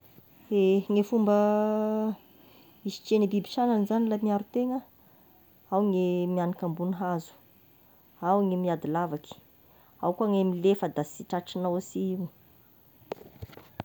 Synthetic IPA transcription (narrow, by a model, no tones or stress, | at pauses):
eŋefumbə | isi̥t͡ʃenibibi̥ʃananizanilamiaɾut̪eŋə | awŋemianakambunɦazu̥ | awŋemiad̪ilavaki̥ | awkaŋemilefəd̪asiʈ͡ʂaʈ͡ʂinawasiiw